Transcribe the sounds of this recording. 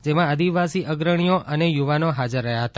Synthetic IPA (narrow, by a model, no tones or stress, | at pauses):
d͡ʒemãəd̪iʋasiʔəɡɾəɽ̃ijoʔənejuʋanoɦad͡ʒəɾːəɦjaɦət̪a